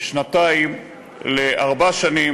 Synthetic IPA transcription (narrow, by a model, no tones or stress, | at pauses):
ʃnat̪aim | leʔaʁbaʃani